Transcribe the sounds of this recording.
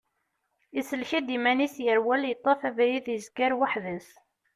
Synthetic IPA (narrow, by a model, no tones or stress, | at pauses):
isəlçid̪imænisjəɾwæljət̪ˤːɑfævjiðjəzɡəɾwaħðəs